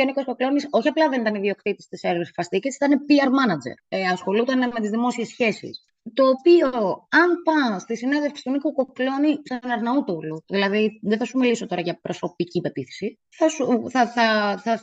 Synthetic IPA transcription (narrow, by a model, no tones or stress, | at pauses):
oniko̞skoklo̞niso̞çiɐplɐðe̞nit̪ɐniðio̞kt̪it̪ist̪iseɾsfɐst̪icesit̪ɐnepiɐɾmɐnɐd͡zḛɾɐsxo̞lut̪ɐnme̞t̪izðimo̞sie̞sçe̞sḭs | t̪o̞ːpioɐnpɐst̪isineðefksi̥t̪unikuko̞klo̞nipsɐnɐɾnɐut̪oluðilɐðiðeθɐsumiliso̞t̪o̞ɾɐʝɐpɾo̞so̞picipe̞t̪iθe̥si | θɐsuθɐθɐθɐ